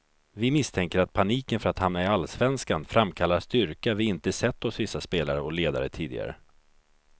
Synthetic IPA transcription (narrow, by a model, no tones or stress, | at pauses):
vɪmɪst̪ʰɛŋkəɾat̪̚pʰaniːkənfœɾat̪hamnaɪalːsvɛnskanfɾamːkʰalːast̪ʏɾkavɪɪnt̪əsɛt̪ːɔsvɪsːaspeːlaɾəɔleːd̪a̰ɾət̪ʰiːd̪ɪ̰ɡa̰ɾə̰